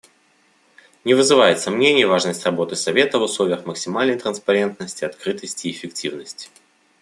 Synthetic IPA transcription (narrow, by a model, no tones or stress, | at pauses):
nʲɪvɨzɨvajɪt̪sɐmnʲenʲɪjvaʐnəsʲtʲrɐbo̞t̪ɨsɐvʲe̞t̪əvʊslˠovʲɪjəxməksʲɪmalʲnəjt̪ɾənspɐɾʲe̞nt̪̚nəsʲtʲɪɐt̪kɾɨt̪əsʲtʲɪːfʲɪktʲivnəsʲtʲɪ̥